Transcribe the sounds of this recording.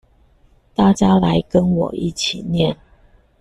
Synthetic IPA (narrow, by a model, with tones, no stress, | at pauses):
t̪a˥˨t͡ɕja˥la˨˧˦ɪkə˦nwɔ̰˨˩ḭ˥˩t͡ɕʰi˨˩njɛ˥˨n